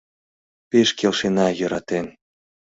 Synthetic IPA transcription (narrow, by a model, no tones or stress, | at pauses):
peʃkelʃenɑjə̆ɾɑt̪en